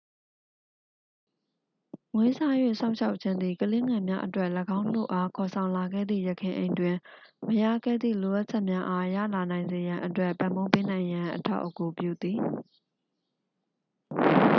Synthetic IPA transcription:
ŋwe˦za˦˨jwḛ˦˨sã˦ʊ̃ʃʰa˦ʊʔtt͡ɕʰɪ̃˦nd̪i˨kəle˦ŋɛ˨mja̰˦ʔətwɛ˦ʔləɡã˦ʊ̃nl̥o̰˦˨ʔa˦kʰɔ˨sʰã˨ʊ̃la˨ɡɛ̰˦˨d̪ðḭ˦˨jə˨kʰɪ̃˨ʔḛ̃˨ɪ̃ndwɪ̃˨məja̰˦˨ɡɛ̰˦˨d̪ðḭ˦˨lo˨ʔa˦t̚t͡ɕʰɛ˦ʔmja˦ʔa˦jä̰˦˨la˨nã˨ɪ̃nze˨jã˨ʔətwɛ˦ʔpã˨mbo˦pe˦nã˨ɪ̃jã˨ʔətʰa̰˦ʊʔəku˨pjṵ˦˨d̪i˨

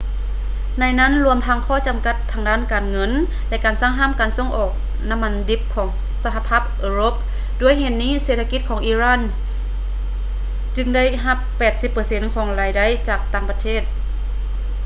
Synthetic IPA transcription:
na˧˥˨jna˧˥˨nlu˧əmt̪ʰa˧˥ŋkʰɔː˧˥˩t͡ɕa˨mka˧˥t̪ʰːaː˧˥ŋdaː˥˨nkaː˨˩nŋɤ˧˥˨n | lɛ˧˥ʔkaː˨˩nsaː˥˨ŋɦaː˧˥˨mkaː˨˩nso˧˥˨ŋʔɔː˨˩k̚ | na˧˥mːa˧ndi˧˥p̚kʰɔː˩˦ŋ | sa˧ɦa˧pʰaː˧˥˩p̚ʔɤː˧ɾo˧˥p̚ | du˧˩əjhe˧˩n̚niː˧˥˨seː˧t̪ʰa˧ki˧t̪̚kʰɔː˩˦ŋʔiː˧˥ɾaː˧˥˨n | t͡ɕɯ˧ŋda˥˨jɦa˧pːɛː˨˩t̪̚si˧˦pːɤː˨˩se˧˥nkʰɔː˨˦ŋlaː˨˧jda˧˩˨jt͡ɕaː˨˩k̚t̪aː˧˩ŋpa˧t̪ʰeː˥˩t̪̚

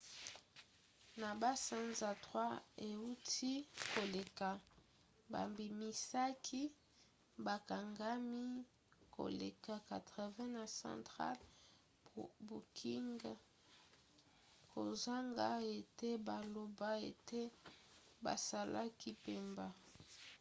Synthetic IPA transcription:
na˨ba˦sa˦nza˨tʁwa˦e˨u˦tʰi˦ko˨le˨ka˨ | ba̰˨mbi˨mi˨sa˦kʰi˦ | ba˨ka˨ŋɡa˦mi˦ | ko̰˨lḛ˨ka˨ka˨tʁɛ˨vɛ̃˦na˨sã̰˨ntχa̰˦l | bu˨kʰi˦ŋɡ | kʰo̰˨za˦ŋɡa˦e˨te˦ba˨lo˨ba˦e˨te˦ | ba̰˨sa˨la̰˦ki˦pe˦mba˦

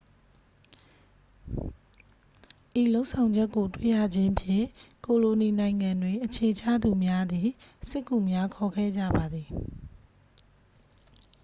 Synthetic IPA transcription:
ʔi˨lo˦ʊʔsʰã˨ʊ̃ɲd͡ʑɛ˦kːo˨twḛ˦˨jä̰˦˨d͡ʑɪ̃˦ʔəpʰjɪ̰̃˦˨ko˨lo˨ni˨nã˨ɪ̃ŋã˨ndwe˨ʔət͡ɕʰe˨t͡ɕʰa̰˦˨d̪u˨mja˦d̪i˨sɪ˦kːṵ˦˨mja˦kʰɔ˨ɡɛ̰˦˨d͡ʑä̰˦˨ba˨d̪ði˨

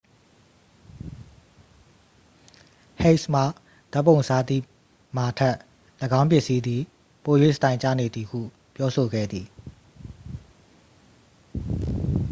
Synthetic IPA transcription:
he˦ʔsm̥a˨ | d̥̪a˦pːõ˨ʊ̃sa˦˨d̪ḭ˦˨ | ma˨tʰɛ˦˨ʔ | lə˨ɡã˦ʊ̃mp̬jɪ˦˨ʔsi˦d̪ði˨ | po˨jwḛ˦˨sətã˨ɪ̃ɲt͡ɕa̰˦˨ne˨d̪ði˨hṵ˦˨ | pjɔ˦so˨ɡɛ̰˦˨d̪ði˨

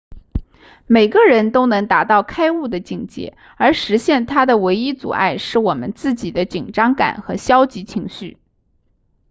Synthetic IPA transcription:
me˨˩ɪɡə˦ɻə˧˥nt̪o˥ʊnɤ˧˥ŋt̪a˨˩t̪ɑ˥˩ʊkʰa˥ɪu˥˩d̪ə˩t͡ɕi˥˩ŋt͡ɕjɛ̰˧˥ | ə˞˧˥ʂɻ̩˧˥ɕjɛ˥˩nt̪ʰa˥d̪ə˨we˧˥ɪi˥t͡sṵ˨˩a̰˥˩ɪʂɻ̩˥˩wɔ˨˩mə̰˦nt͡sɹ̩˥˩t͡ɕi˨˩d̪ə˦t͡ɕi˨˩ŋʈ͡ʂɑ˥ŋka̰˨˩˦nxɤ˧˥ɕjɑ˥ʊt͡ɕi˧˥t͡ɕʰi˧˥ŋɕy̰˥˩

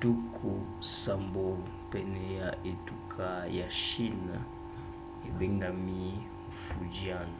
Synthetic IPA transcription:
tu˦kʰu˨ | sa˨mbo˨ | pɛ˨nɛ˨ja˨ʔe˨tu˦kʰa˦˨ja˨ʃi˦na˨ | e˨bɛ˦ŋɡa˨mi˦ | fu˨d͡ʒi˦a˦˨na˨

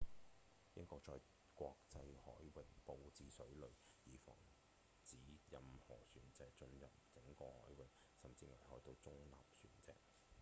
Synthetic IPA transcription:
jɪ˥ŋkʷɔː˧k̚t͡ʃɔː˧j | kwʷɔː˧k̚t͡sɐ˧jhɔ̰ː˨˥jwɪ˨˩k̚po˧wt͡siː˧sɵ˨˥ɥlɵ˨ɥ | jiː˨˩fɔ̰ː˨˩ŋ | t͡siː˨˥jɐ˨mhɔ̰ː˨˩syː˨˩nt͡sɛː˧t͡ʃɵ˧njɐ˨p̚t͡sɪ˨˥ŋkɔː˧hɔː˨˥jwɪ˨k̚ | sɐ˨˩mt͡siː˧ŋa˨˩jhɔː˨˥jt̪o˧wt͡sʊ˥ŋla̰ː˨p̚syː˨˩nt͡sɛ̰ː˧k̚

